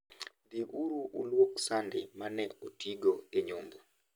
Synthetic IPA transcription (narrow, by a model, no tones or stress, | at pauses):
d̪iʔuɾuʔṵlwoksandɪmanɛotiɡoeɲombo